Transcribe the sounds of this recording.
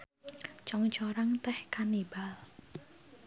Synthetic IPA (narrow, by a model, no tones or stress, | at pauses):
t͡ʃɔŋt͡ʃɔɾaŋt̪ɛhkanibal